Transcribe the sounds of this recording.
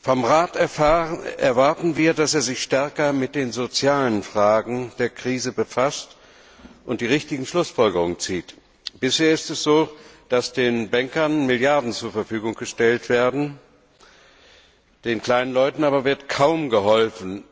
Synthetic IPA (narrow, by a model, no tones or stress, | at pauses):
fɔmʁaːt | ʔɛɐvaɐtn̩viːɐdaseːɐzɪçʃtɛɐkɐmɪt̚d̥eːnzot͡sjaːlənfʁ̥aːɡŋ̩d̥eːɐkʁ̥iːzəbəfast | ʔʊnt̚d̥iːʁ̞ɪçtɪɡŋ̩ʃlʊsfɔlɡəʁʊŋənt͡siːt | b̥ɪsheːɐɪstɛsz̥oːd̥asd̥eːnbɛŋkɐnmɪljaɐdn̩t͡suːɐfɛɐfyːɡʊŋɡ̥əʃtɛltv̥eːɐdn̩ | d̥eːnkl̥aɪnənlɔʏtn̩aːbɐvɪɐtkʰaʊmɡəɦɔlfn̩